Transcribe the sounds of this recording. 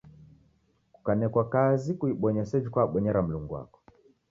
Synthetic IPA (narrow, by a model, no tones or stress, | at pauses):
ku̥kanɛkwakazikuiɓɔɲɛsɛd͡ʒikwaːɓɔɲɛɾam̩luŋɡuwa̰kɔ̥